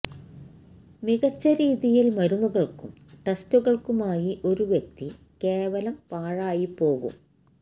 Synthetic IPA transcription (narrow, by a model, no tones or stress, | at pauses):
miɣɐt͡ɕːɐɾiːðijilmɐɾumuɣɐɭkumʈestuɣɐɭkumaːjiʔo̞ɾuʋjek̚t̪i | keːʋɐlɐmpaːɻaːjipːo̞ːɣṵm